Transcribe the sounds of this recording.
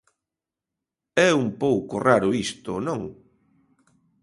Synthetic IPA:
ɛumpowkʊraɾʊist̪ʊnõŋ

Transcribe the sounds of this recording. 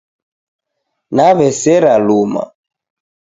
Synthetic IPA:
naβɛsɛɾaluma̰

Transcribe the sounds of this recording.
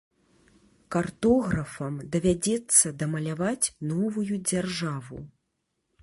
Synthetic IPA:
kart̪ɔɣɾɐfɐmd̪ɐvʲad͡zʲɛt̪sːɐd̪ɐmɐlʲavat͡sʲnɔvujud͡zʲarʐavṵ

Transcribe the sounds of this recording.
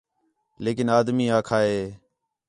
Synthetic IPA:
leːkɪnaːd̪miːaːkʰaːeː

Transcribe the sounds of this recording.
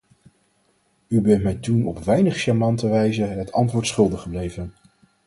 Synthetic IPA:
ybɛntmɛjtunɔpʋɛjnəχʃamɑntəʋɛjzəɦətʰɑntʋʊːɹtsχɵlˠdəχəblejvən

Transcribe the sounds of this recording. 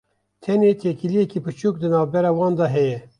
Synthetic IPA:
t̪ʰɛneːt̪ʰeːkilijɛkiːpɨt͡ʃʰuːk̚d̪ɨnɑːvbɛɾɑːwɑːnd̪ɑɦɛjɛ

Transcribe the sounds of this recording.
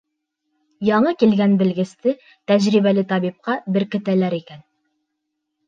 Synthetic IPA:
jɑɴɤkilɡænbɘ̆lɡɘ̆st̪ɘ | t̪æʑɾiβælɘt̪ɑβip̚qɑbɘ̆ɾkɘ̆t̪ælæɾikæn

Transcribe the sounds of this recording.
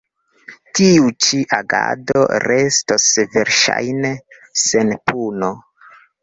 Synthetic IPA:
tiut͡ʃiʔaɡado̰ɾe̞stosve̞ɾʃa̰jne | senpʰuno

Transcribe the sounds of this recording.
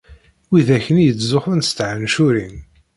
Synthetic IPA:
wiðæçənjət͡sːzʊħənst̪ʕənʃʊɾin

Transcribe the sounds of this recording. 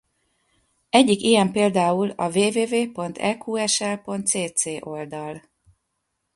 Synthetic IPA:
ɛɟːikijɛmpeːld̪aːulɒveːveːveːpo̞nt̪ʰɛkʰuɛʃɛlpo̞nt̪seːt̪seːʔo̞ld̪ɒl

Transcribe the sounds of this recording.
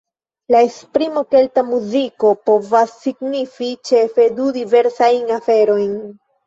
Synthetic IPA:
laespɾimo̞ke̞ltamuziko̞po̞vasːiɡnifit͡ʃe̞fe̞dudive̞ɾsajnafe̞ɾo̞jn

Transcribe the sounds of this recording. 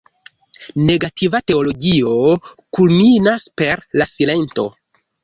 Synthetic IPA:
ne̞ɡatʰivate̞o̞lo̞ɡio̞kulminaspe̞ɾlasile̞nto̞̰

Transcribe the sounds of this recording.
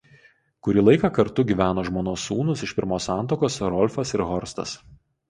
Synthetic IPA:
kʊɾʲiːlˠɐɪkɑkɐɾt̪ʊɡʲiːʋʲæːnoːʒmoːnoːsːuːnʊsɪʃpʲɪɾmoːsɑˑnt̪̬oːkoːsɾɔlʲfɐsɪɾɣɔɾst̪ɐ̰s

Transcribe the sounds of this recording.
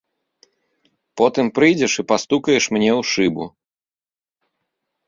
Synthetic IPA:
pɔt̪ɨmpɾɨjd͡zʲɛʂɨpast̪ukɐjɛʂmnʲɛwʂɨbṵ

